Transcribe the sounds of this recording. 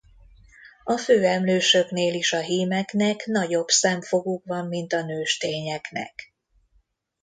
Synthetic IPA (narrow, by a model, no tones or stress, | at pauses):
ɒføːɛmløːʃøkneːliʃɒɦiːmɛknɛkn̪ɒɟo̞bsɛɱfo̞ɡukʋɒmːint̪ɒnøːʃt̪eːɲɛknɛ̰k